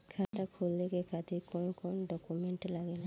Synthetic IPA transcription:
kʰat̪akʰuld̪ekekad̪ikonokɔnoɖɔkumeɳʈlaɡena

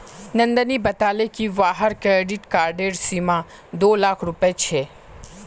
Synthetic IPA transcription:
nɐ̃nd̪ənibɐt̪aːlekiʋaːɦəɾkɾeːɖɪʈkaːɾɖeːɾsima | d̪oːlaːkʰɾʊpəet͡ʃʰeː

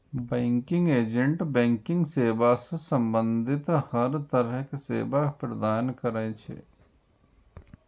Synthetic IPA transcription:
bɛ̃ːŋkɪ̃ŋɡeːd͡ʒə̃ɳʈbɛ̃ːŋkɪ̃ŋɡseːbasesɐ̃mbə̃nd̪ʱɪt̪hɐɾt̪ɐɾəɦkesḛːbapɾɐd̪aːnkɐɾaẽt͡ʃʰḛ

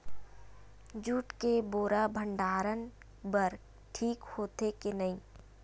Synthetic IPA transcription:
d͡ʒuːʈkeboːɾabʱəɳɖaːɾən | bəɾ | ʈʰiːkhoːt̪ekenɐɦĩː

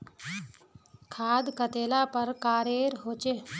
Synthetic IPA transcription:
kʰaːd̪kət̪elapəɾkaːɾeɾɦot͡ɕe

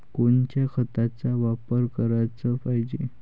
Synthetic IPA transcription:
koɳt͡ɕjakʰət̪at͡saʋapəɾkəɾat͡səpaɦd͡ʑe

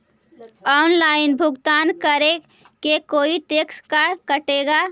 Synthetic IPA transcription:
ɔːnlaːɪnbʱʊɡt̪aːnkəɾe | kekoːiʈeːkskakəʈeːɡaː

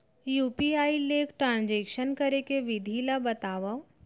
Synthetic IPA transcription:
juːpiaːileːkʈɾãːnd͡ʒekʃənkəɾekeʋɪd̪ʱilabɐt̪aːʋə

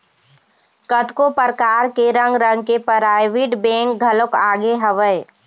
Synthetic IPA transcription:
kət̪kopəɾkaːɾkeɾə̃ŋɡɾə̃ŋɡkepəɾaːɪʋiɖbẽːŋk̚ɡʱəlokaːɡeɦəʋəɪ

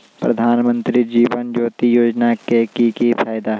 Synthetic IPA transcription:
pɾɐd̪ʱaːnmə̃nt̪ɾid͡ʒiːʋənd͡ʒoːt̪ijoːd͡ʒnakekikifʰaːjd̪aɦ

